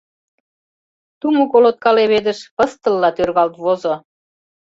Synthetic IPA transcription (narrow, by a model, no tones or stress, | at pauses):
t̪umokolot̪̚kɑleβed̪əʃpə̆st̪ə̆lːɑt̪ørɣɑlt̪βozo